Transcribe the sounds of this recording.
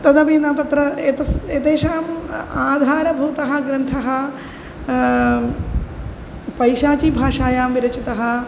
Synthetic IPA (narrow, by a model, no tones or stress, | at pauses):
t̪ɐd̪ɐʋinɐt̪ɐt̪ɾɐet̪ɐset̪eːʂaːmaːd̪ʱaːɾɐbʱuːt̪ɐɦɐɡɾɐnt̪ʰɐɦɐ | pɐjʃaːt͡ʃibʱaːʂaːjaːmʋiɾɐt͡ʃit̪ɐɦɐ̆